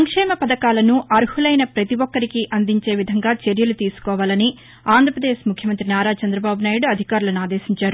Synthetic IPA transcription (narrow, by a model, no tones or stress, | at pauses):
ɐŋkʂɛːmɐpɐd̪ɐkaːlɐnuʔɐɾhulɐjnɐpɾɐt̪iʋɔkːɐɾikiʔɐnd̪iɲt͡ʃe̞ːʋid̪ʱɐŋɡaːt͡ʃeɾjɐlut̪iːsu̥kɔːʋaːlɐni | aːnd̪ʱɾɐpɾɐd̪eːʃmukʰjɐmɐnt̪ɾinaːɾaːt͡ʃɐnd̪ɾɐbaːbunaːjuɽuɐd̪ʱikaːɾulɐnaːd̪e̞ːʃiɲt͡ʃaːɾu